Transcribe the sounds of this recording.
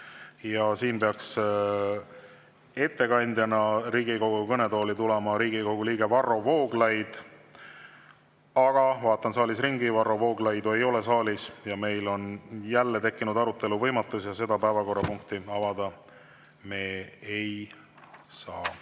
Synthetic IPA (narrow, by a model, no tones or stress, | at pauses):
jɑsiːnpeɑks | e̞t̪ːe̞kɑnʲd̪̥ʲjɑnɑɾiːɡ̥iko̞wɡukɤne̞d̪o̞ːlit̪ulɛmɑɾiːɡiɡoɡ̥uliːɡe̞vɑrːo̞vo̞ːɡlɑjd̪̥ | ɑɡ̥ɑvɑːt̪ːˑɑnsɑːlisriŋɡivɑrːo̞vo̞ːɡ̥lɑjd̪ue̞jo̞le̞sɑːlʲisjɑme̞jlo̞njælːe̞t̪e̞kːinud̪̥ɑɾut̪ːˑe̞luvɤjmɑt̪ːˑusjɑse̞d̪̥ɑpæevɑko̞rːɑpuŋkt̪iɑvɑd̪̥ɑ | me̞ːej | sɑː